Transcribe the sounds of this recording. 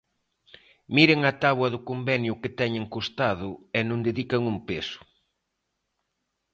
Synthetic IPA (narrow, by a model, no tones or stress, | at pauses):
miɾeŋɐt̪aβwɐðʊkombɛnjʊkɪt̪ɛɲeŋkost̪aðʊɛnõnd̪eðikɐŋumpesʊ̥